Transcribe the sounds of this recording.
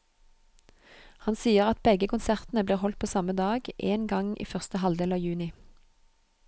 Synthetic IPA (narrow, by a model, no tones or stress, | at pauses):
hɑnsiːəʁɑt̪̚bɛɡəkʊnsæʁt̪n̩əbliːʁhɔlt̪̚pʰoːsɑməd̪ɑːɡʔeːnɡɑŋʔḭːfœʁst̪əɦɑld̪eːlɑːʋjʉːnɪ